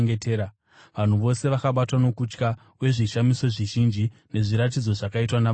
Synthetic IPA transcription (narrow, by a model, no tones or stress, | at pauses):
ɡeteːɾa | ʋan̤uʋo̞se̞ʋakaɓatwano̞kut͡ʃka | we̞ʐiʃamiso̞ʐiʒind͡ʒine̞ʐiɾat̬id͡zo̞ʐakaitwana